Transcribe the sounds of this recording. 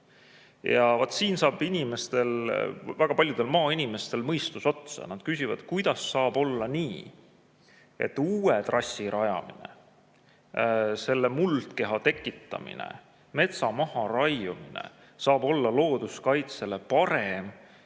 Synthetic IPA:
jɑvɑt̪ːˑsiːnsɑːbinʲime̞st̪e̞lvæɡ̥ɑpɑlʲjud̪e̞lmɑːinʲime̞st̪e̞lmɤjst̪uso̞t̪sɑ̰nɑd̪̥̚kysʲivɑ̰d̪̥kujd̪̥ɑsːɑːb̥o̞lːɑniː | e̞̰t̪ːuːet̪rɑsʲːiɾɑjɑ̰mḭnḛ | se̞lːemult̪ke̞ɦɑt̪e̞kːˑit̪ːˑɑ̰mḭnḛ | me̞t̪sɑmɑhɑɾɑjuminḛ | sɑːb̥o̞lːɑlo̞ːd̪̥uskɑjt̪se̞le̞pɑɾe̞m

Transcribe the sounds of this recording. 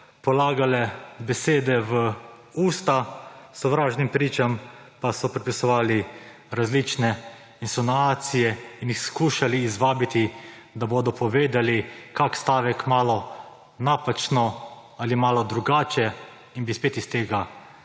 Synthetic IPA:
pɔlaːɡalɛbɛseːd̪ɛʋə | uːst̪asɔʋɾaːʒnimpɾiːt͡ʃampasɔpɾɛpisɔʋaːli | ɾazlit͡ʃnɛ | insɔnaːt̪sijɛinjixskuːʃaliːzʋaːbit̪i | d̪aboːd̪ɔpʰɔʋeːd̪alikakst̪aːʋɛkmaːlɔ | naːpat͡ʃnɔ | alimaːlɔd̪ɾuɡaːt͡ʃɛ | inbispeːt̪ist̪eːɡa

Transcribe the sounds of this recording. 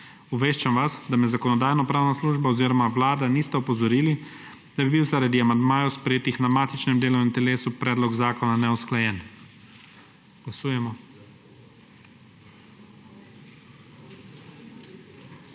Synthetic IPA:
uʋeːʃt͡ʃamʋasd̪amɛzakɔnɔd̪aːjnɔpɾaːwnasluːʒbaɔziːɾɔmawlaːd̪aniːst̪ɛɔpɔzɔɾiːli | d̪̥abibiwzaɾad̪iamand̪maːjɔwspɾɛjeːt̪ixnamaːt̪it͡ʃnɛmd̪eːlɔint̪ɛleːsupɾɛːd̪lɔɡzaːkɔnanɛɔsklajɛːn | ɡ̥lasuːjɛmɔ

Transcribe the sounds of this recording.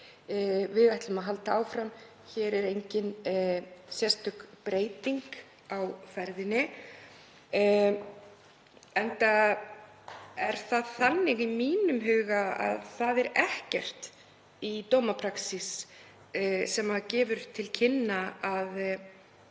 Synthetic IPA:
vɪðajht̪lʏmaðɦalt̪aaːwfɾam | çɛːɾɛɾejɲcɪn | sjɛst̪ʏkpɾeːjt̪iŋk | awfɛɾðɪnɪ | ɛnt̪a | ɛɾ̥θaðθanːɪɣimiːnʏmɦʏːɣaa̰ðθaðɛɾɛhcɛr̥t̪ | it̪oːwmapʰɾaksis | sɛmaðcɛːvʏɾ̥t̪ʰɪlcʰɪnːaað

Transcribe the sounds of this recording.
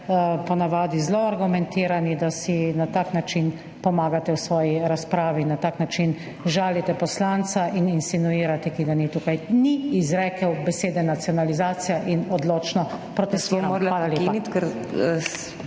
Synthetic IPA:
pɔnaʋaːd̪izloaɾɡumɛ̃nt̪iːɾanid̪asinat̪aːknat͡ʃin | pɔmaːɡat̪ɛwsʋɔːjiɾaspɾaːʋinːat̪aːknat͡ʃin | ʒaːlit̪ɛpɔslant̪saʔininsinuiːɾat̪ɛkiɡanit̪ukajniːzɾɛːkɛwbɛseːd̪ɛnat̪siɔnalizaːt̪sijaʔinɔd̪loːt͡ʃnɔpɾɔt̪ɛst̪inaaːlaleːanit̪kɛɾ

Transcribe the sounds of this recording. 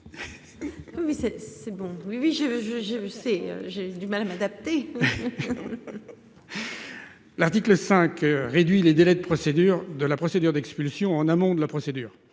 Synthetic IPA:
wiwisɛsɛbɔ̃wiwiʒeʒəʒesɛø̰ʒed̪ymalamad̪ap̚t̪e | laʁt̪ikləsɛ̃kʁed̪ɥiled̪elɛd̪əpχɔsed̪yʁd̪əlapχɔsed̪yʁd̪ɛkspylsjɔ̃ɑ̃namɔ̃d̪əlapχɔsed̪yːʁ

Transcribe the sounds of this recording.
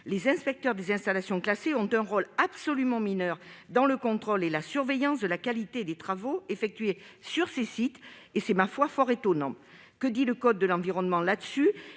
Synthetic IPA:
lezɛ̃spɛk̚t̪œʁd̪ezɛ̃st̪alasjɔ̃klaseɔ̃t̪ɛ̃ʁɔlabsɔlymɑ̃minœʁd̪ɑ̃ləkɔ̃t̪χɔlelasyʁvejɑ̃sd̪əlakalit̪ed̪et̪χavoefɛk̚t̪ɥe | syʁsesit̪ | esɛmafwafɔʁet̪ɔnɑ̃ | kəd̪iləkɔd̪̚ːəlɑ̃viʁɔnmɑ̃lad̪əsy

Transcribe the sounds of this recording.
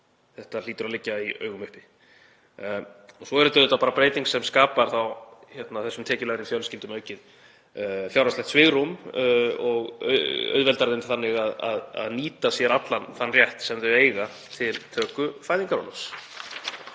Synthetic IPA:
θɛht̪al̥iːt̪ʏɾalɪcːaiœ̰ːɥɣʏmʏhpɪ | ɔsɔɛɾʏt̪aðɛt̪apaːɾapɾeːjt̪iŋksɛmskaːpaɾ̥θawçɛt̪naθɛsʏmt̪ʰɛːcɪlaɣɾɪmfjawlscɪnt̪ʏmœːɥcɪð | fjawɾaslɛhkt̪svɪɣɾum | ɔɣ̰œ̰ɥðvɛlt̪aɾðɪnθanːɪɣaða̰ða̰ðniːt̪asjɛɾat̪lanθanːrjɛht̪sɛmðœeːjɣa | t̪ʰɪlt̪ʰœːkʏfaːjðiŋkaɾɔ̰nas

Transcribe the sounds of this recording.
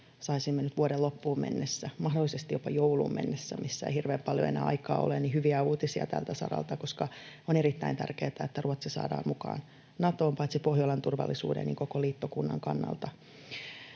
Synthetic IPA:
sɑisimːenyt̪ʋuodellopːuːmmḛnːesːæmɑhdolːisest̪ijjopɑjoulṵːmmḛnːesːæmʔisːæḛihirʋeːmpɑljo̰enæ̰ːɑ̰ikɑːolenihyʋiæuːt̪isiɑ̰t̪æ̰lt̪æsɑ̰ɾɑ̰lt̪ɑkoskɑoneɾit̪ːæint̪ærkeːt̪æet̪ːæruot̪sisɑ̰ːdɑ̰ːmmukɑ̰ːn | nɑt̪oːmpɑit̪sipohjolent̪urʋɑ̰lːisṵːdḛnḭːŋkokoliːt̪ːokunːɑ̰ŋkɑnːɑ̰lt̪ɑ

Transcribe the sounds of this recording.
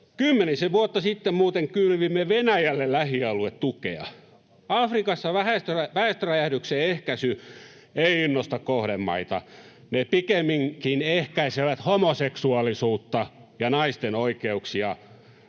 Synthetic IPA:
kymːeniseʋuot̪ːɑsit̪ːemmuːt̪eŋkylʋimːeʋenæjælːellæhiɑluet̪t̪ukḛɑ̰ | ɑfrikɑsːɑʋæhæst̪ræʋæhest̪øræjædykseːehkæsy | eiinːost̪ɑkkohɾemmɑ̰it̪ɑ̰ | nepikemːiŋkinehkæiseʋæt̪homoseksuɑlisuːt̪ːɑjɑnɑist̪enoikeuksiɑ

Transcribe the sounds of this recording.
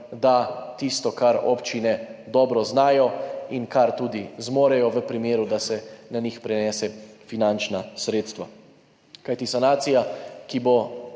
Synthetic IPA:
d̪at̪ist̪ɔkaɾo̰pt͡ʃinɛd̪ɔːbɾɔznaːjɔinkaɾt̪uːd̪izmoːɾɛjɔʋəpɾimeːɾud̪asɛnanixpɾɛnɛːsɛfinant͡ʃnasɾeːt̪st̪ʋa | kajt̪isanaːt̪sijakibo

